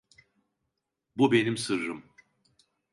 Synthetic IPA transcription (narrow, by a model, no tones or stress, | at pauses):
bube̞nimsɯɾɾɯm